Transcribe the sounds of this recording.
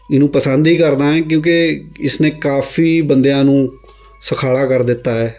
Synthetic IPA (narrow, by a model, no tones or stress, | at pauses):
ɪnũːpəsənd̪iːkəɾd̪ãːɛ̃ːk̬jõːkeɪsnẽːkaːfiːbənd̪ejãːnũː | səkʰaːɭaːkəɾd̪ɪt̪ːaːɦɛː